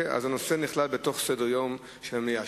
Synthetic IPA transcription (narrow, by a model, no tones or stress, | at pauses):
a̰zanoseniχlalbeto̞χsedeʁjo̞m | ʃeemja